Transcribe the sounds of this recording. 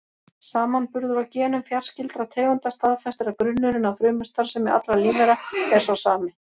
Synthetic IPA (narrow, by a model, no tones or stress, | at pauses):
saːmanpʏɾðʏɾawcɛːnʏmfjar̥scɪlt̪ɾat̪ʰeːɣʏnt̪ast̪aðfɛst̪ʏɾakɾʏnːʏɾɪnawfɾʏːmʏst̪aɾ̥sɛmɛa̰t̪lɾaliːvɛɾaɛɾ̥sasaːmɪ